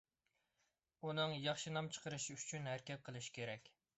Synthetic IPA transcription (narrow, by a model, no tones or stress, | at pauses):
unɨŋjɑχʃɨnɑmt͡ʃʰə̥qʰəɾɨʃiyt͡ʃʰynɦæɾkʲɛt̪̚qʰəlˠɨʃi̥kʲeɾɛkʲ